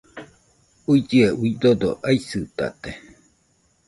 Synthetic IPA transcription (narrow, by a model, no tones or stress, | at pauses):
uid͡ʒieuid̪od̪oʔaisɨt̪a̰t̪e